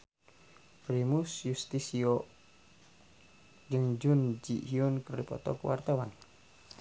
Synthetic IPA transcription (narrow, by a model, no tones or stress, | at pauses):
pɾimusjust̪isiɔ | d͡ʒəŋd͡ʒund͡ʒiʔhiunkərdipɔ̰t̪ɔ̰kuwa̰rt̪awan